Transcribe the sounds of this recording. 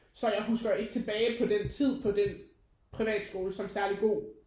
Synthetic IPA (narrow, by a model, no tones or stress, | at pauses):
sɒ̽jɑ̈ɪɦusɡ̥ɐe̝ɡ̥ə̥t͡sʰe̝b̥ɛːɪpʰɒ̽d̥ent͡sʰið̞̰ˠpʰɒ̽d̥en | pʰʁiʋɛ̰ːd̥sɡ̥o̝ːləsɒ̽msæɐliɡ̥o̝̰ː